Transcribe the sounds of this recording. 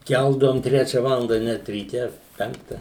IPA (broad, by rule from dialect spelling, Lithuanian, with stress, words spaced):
ˈkʲælˠdɐʋoːm ˈtʲrʲæːt͡ʃʲɛ ˈʋɑːlˠɐndɐ nʲɛt rʲiːˈtʲɛ ˈpʲɛŋktɐ